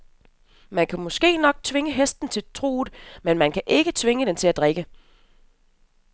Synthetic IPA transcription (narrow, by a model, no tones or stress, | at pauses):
mænkʰæmɒ̽sɡ̥e̝̰ːnɒ̽ɡ̥̚t͡sʰʋe̝ŋəɦesd̥n̩t͡sʰe̝lt͡sʰʁṵːð̩ˠmenmænkʰæʔe̝ɡ̥ət͡sʰʋe̝ŋəd̥ent͡sʰe̝læd̥ʁɛɡ̥ə